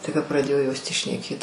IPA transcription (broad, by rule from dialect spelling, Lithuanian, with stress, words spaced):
tɐɪ kɐ prɐˈdʲeːjoː joːs tʲiː ʃʲnʲɛˈkʲeːt